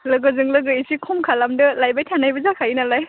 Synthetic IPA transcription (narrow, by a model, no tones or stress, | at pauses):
lɯɡɯzɯŋlɯɡɯisʰikʰɔmkʰalamdɯlajbajtʰanajbazakʰainalaj